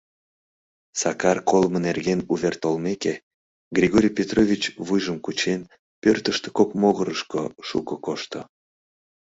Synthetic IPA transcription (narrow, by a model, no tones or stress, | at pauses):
sɑkɑrkolmənerɣenuβʲert̪olmeke | ɡrʲiɣoɾʲijpʲet̪rovʲit͡ɕβujʒəmkut͡ɕen | pørt̪əʃt̪e̥kokmoɣəɾəʃkoʃṵkəkoʃt̪o